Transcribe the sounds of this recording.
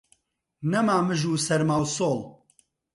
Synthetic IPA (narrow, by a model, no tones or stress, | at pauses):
nɐmaːmɨʒuːsɛɾmawsoːlˠ